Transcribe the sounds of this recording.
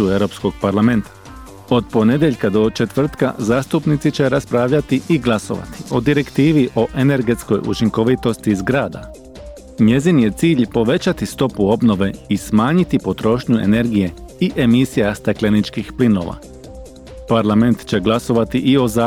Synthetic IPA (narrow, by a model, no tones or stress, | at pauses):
ueɾo̞psko̞ɡ̥paɾlˠame̞nt̪ḁ | o̞d̪po̞ne̞d̪jeʎkad̪o̞t͡ʃe̞t̪ʋr̩t̪ka̰zaːst̪upnit̪sit͡ɕe̞ɾaspɾaːʋʎat̪iʔiɡlˠaso̞̰ʋa̰t̪i̥o̞d̪iɾe̞kt̪iːʋiʔo̞ʔe̞ne̞ɾɡe̞t̪sko̞jṵt͡ʃiŋko̞ʋit̪o̞st̪izɡɾaːd̪a̰ | ɲe̞zinije̞t̪siːʎpo̞ʋe̞t͡ɕat̪ist̪o̞puo̞bno̞ʋe̞ismaːɲit̪ipo̞t̪ɾo̞ːʃɲue̞̰ne̞ɾɡije̞iʔe̞misijast̪aklenit͡ʃkixplino̞̰ːʋa̰ | paɾlˠame̞nt̪t͡ɕe̞ɡlˠaso̞ʋat̪iʔio̞za